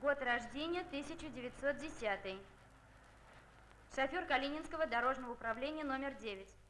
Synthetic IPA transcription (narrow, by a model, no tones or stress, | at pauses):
ɡo̞t̪rɐʐdʲenʲɪjət̪ɨsʲɪt͡ɕʊdʲɪvʲɪt̪ʲso̞t̪̚dʲɪsʲat̪ɨj | ʂɐfʲorkɐlʲinʲɪnskəvəd̪ɐɾo̞ʐnəvəʊpɾɐvlʲenʲɪjəno̞mʲɪrdʲevʲɪtʲ